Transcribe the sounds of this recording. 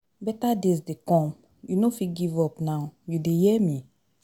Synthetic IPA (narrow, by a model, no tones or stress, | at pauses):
bɛtadesdekɔ̃m | junofikɡivɔpnaʊjudejɛmĩ